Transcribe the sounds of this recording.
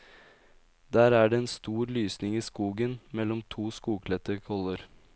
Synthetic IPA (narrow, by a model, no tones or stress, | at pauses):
d̪æːɾæːɖeːɛːnst̪uːɾlyːsnɪŋiːskuːɡənmɛlɔmt̪ʰuːskuːɡkʰlɛt̪əɾkʰɔləɾ